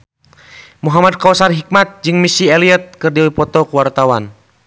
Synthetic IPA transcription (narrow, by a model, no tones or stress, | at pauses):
muɦamad̚kawsarɦik̚mat̪̚d͡ʒɨŋmisiɛliət̪̚kɨrdiɔipɔt̪ɔkuwart̪awan